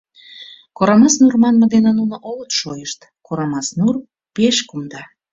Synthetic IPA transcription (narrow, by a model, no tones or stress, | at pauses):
koɾɑmɑsnurmɑnməd̪enenunoʔolət̪ʃojəʃt̪ | koɾɑmɑsnur | peʃkumd̪ɑ